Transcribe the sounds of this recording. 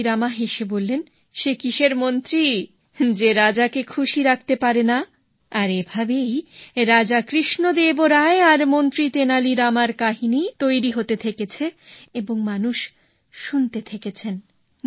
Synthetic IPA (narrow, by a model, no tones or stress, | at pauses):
ɾamaɦeʃebolːen | ʃekiʃeɾmont̪ɾi | d͡ʑeɾad͡ʑakekʰuʃiɾak̚ʰt̪epaɾena | aɾebʱabejɾad͡ʑakɾiʃnod̪eboɾaeaɾmont̪ɾit̪enaliɾamaɾkaɦinit̪ojɾiɦot̪et̪ʰeket͡ɕʰeeboŋmanuʃ | ʃunt̪et̪ʰeket͡ɕʰen